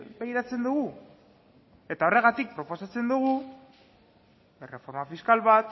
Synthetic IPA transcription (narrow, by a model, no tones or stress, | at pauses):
bejɾat͡se̞nd̪uɣ̞u | e̞t̪ao̞re̞ɣ̞at̪ik̚pɾo̞po̞sat͡se̞nd̪uɣ̞u | ere̞fo̞ɾmafiskalβat̪